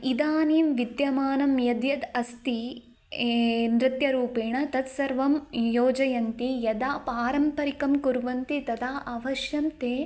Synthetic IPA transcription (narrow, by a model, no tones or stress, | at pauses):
id̪aːniːmʋid̪jɐmaːnɐmjɐd̪jɐd̪ɐst̪i | nɾɪt̪jɐɾuːpeːɳɐt̪ɐt̪sɐɾʋɐmjoːd͡ʒɐjɐnt̪ijɐd̪aːpaːɾɐmpɐɾikɐmkuɾʋɐnt̪it̪ɐd̪aːʔɐʋɐʃjɐmt̪eː